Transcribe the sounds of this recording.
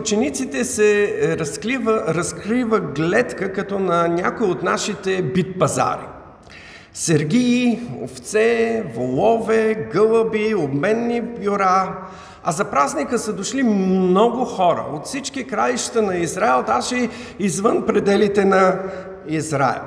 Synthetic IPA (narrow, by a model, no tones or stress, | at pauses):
t͡ʃɛnit̪sit̪ɛsɛɾɐskivəɾɐskɾivəɡlɛt̪kəkɐt̪ɔnɐnʲakoiot̪naʃit̪ɛbit̪̚pɐza̰ɾḭ | sɛɾɡʲiio̰ft̪sɛvolˠɔvɛɡɤlˠəbiobmɛnːibjʊɾa | ɐzɐpɾaznikəsəd̪oʃlimnɔɡʊxɔɾə̰ot̪fsit͡ʃkikɾaliʃt̪ənɐizɾaɛlˠd̪aʒɛizvənpɾɛd̪ɛlit̪ɛnɐ | izɾa̰ɛ̰lˠ